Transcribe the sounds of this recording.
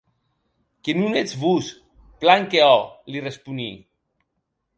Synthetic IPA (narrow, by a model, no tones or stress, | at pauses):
kenunet͡sβus | plaŋkeɔlirespuni